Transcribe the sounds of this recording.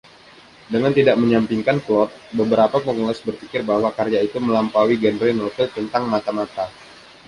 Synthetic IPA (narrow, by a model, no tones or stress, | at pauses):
dəŋant̪idaʔməɲampiŋkanklɔt̪̚bəbəɾapapəŋulasbərfikɪrbahwakarjait̪uməlampawiɡɛndɾenot̪ilt̪ənt̪aŋmat̪amat̪a